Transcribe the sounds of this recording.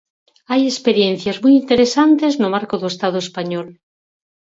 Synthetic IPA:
ajespeɾjenθjazmujint̪eɾesant̪eznomaɾkoðoest̪að̞oespaɲɔl

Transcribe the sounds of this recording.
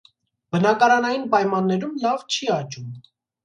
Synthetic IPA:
bənɑkɑɾɑnɑjinpɑjmɑnːɛɾumlɑvt͡ʃʰiɑt͡ʃum

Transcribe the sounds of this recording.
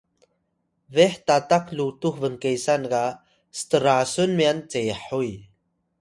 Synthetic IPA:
vɛħt̪at̪aklut̪uhvəŋkejsanɡa | st̪əɾasunmiant͡sejħuj

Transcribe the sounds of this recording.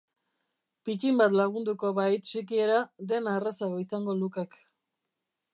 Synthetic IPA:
pit̪imbat̪laɣ̞und̪uko̞βajt̪sikie̞ɾad̪e̞narasaɣoisaŋɡo̞lukek

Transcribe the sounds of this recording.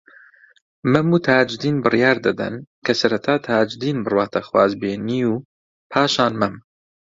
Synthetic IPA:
mɐmuːt̪ʰaːd͡ʒd̪iːnbɨrjaːɾd̪ɨd̪ɐ̰nkʰɐsɐɾɐt̪ʰaːt̪ʰaːd͡ʒd̪iːnbɨrwaːt̪ʰɐxwaːzbeːniu | pʰaːʃaːnmɐm

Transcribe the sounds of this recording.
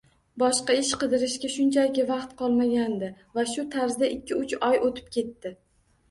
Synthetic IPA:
bɒʃqɑɪʃqɨd̪ɪɾɪʃkʲaʃʊnt͡ʃʰajɡʲɪvɑqt̪̚qʰɒlˠmaɡʲand̪ɪ | vaʃʊt̪ʰaɾzd̪aʔɪkʲʰːɪʊt͡ʃɒjot̪ʰɪ̥p̚kʲʰe̞t̪ːɪ

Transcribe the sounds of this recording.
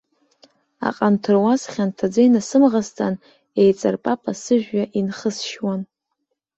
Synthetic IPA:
a̰qʼantʰɨrwazχʲantʰad͡zajnasɨmʁast͡sʼan | ejt͡sʼarpʼapʼasɨʒᶣːaʔinχəsʃwan

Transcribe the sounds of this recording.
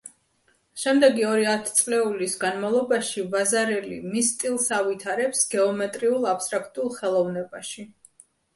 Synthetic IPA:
ʃɛmd̪ɛɡiɔɾiat̪ʰt̪sʼlɛulisɡanmalˠɔbaʃivazaɾɛlḭmist̪ʼilˠsavit̪ʰaɾɛpsɡ̥ɛɔmɛt̪ʼɾiulˠapst̪ʼɾakʰt̪ʼulˠχɛlˠɔvnɛbaʃi

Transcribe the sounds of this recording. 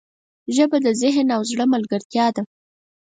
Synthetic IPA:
ʒəbad̪əzɪɦnawzɽəmalɡəɾt̪jɑd̪a

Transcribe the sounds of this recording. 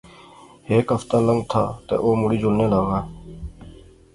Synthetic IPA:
heːkɦəft̪ãːləŋɡt̪ʰa̰ːt̪ḛːʔoːmʊɽiːd͡ʒʊlneːlaːɡaː

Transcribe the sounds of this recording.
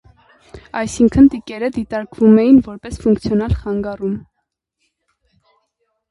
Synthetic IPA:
ɑjsiŋkʰənt̪ikɛɾəd̪it̪ɑɾkvumɛjinvɔɾpɛsfuŋkt͡sʰjɔnɑlχɑŋɡɑrum

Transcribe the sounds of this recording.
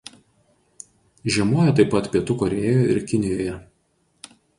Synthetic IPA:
ʒʲiɛmuɔjɛt̪ɐɪpːɐt̪pʲiɛt̪ʊkɔɾʲeːjoːɪ̰ɾkʲɪnʲɪjoːjɛ

